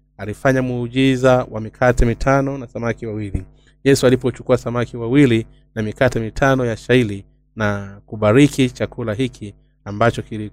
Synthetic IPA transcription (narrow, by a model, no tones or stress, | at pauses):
alifaɲamuːʄizawamikʰatɛmitʰanɔnasamakiwawili | jɛsualipɔt͡ʃu̥kuasamakiwawili | namikatɛmitʰanɔjaʃaili | nakuɓaɾikit͡ʃakulaɦikʰi | ambat͡ʃɔkili